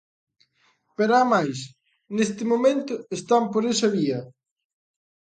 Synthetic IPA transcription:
peɾamajs | nest̪ɪmomẽnt̪ʊest̪ampoɾesɐβiɐ

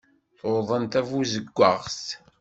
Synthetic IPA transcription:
θoðˤənt̪ævuzəɡʷːəʁst̪

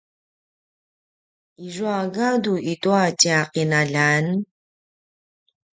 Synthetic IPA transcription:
iʐuaɡaduʔit̪uaciaqinaʎan

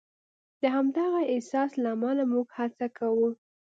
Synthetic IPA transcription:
d̪̥əɦamd̪ɑɣaɪhsɑslamɑlamuɡhat͡sakawu

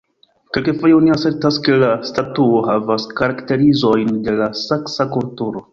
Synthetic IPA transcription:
kelkefojeoniase̞ɾtaske̞lastatuohavaskaɾakte̞ɾizo̞jnde̞lasaksakultuɾo̞

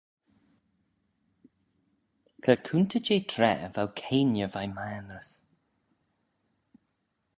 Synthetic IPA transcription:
kʰəkʰunt̪ʰət͡ʃeːt̪ʰɾɛ̰ə̰vawkʰeːnjəvajmaːnɾəs

